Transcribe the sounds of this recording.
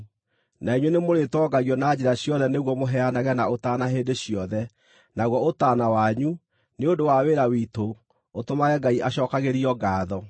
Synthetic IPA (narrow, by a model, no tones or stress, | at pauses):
naiɲwenemoɾetɔɡaɣjɔnaːd͡ʑeɾaɕjɔðɛneɣwɔmoɦɛanaɣɛnaotanaɦeːndeɕiɔðɛ | naɣwɔotaːnawaɲu | neondowaweɾawiːto | otomaɣɛɡaiʔaɕɔːkaɣeɾiɔɡaːðɔ